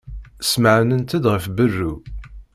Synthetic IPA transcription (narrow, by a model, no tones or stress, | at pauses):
sməʕnənt̪æd̪ʁəfbərːu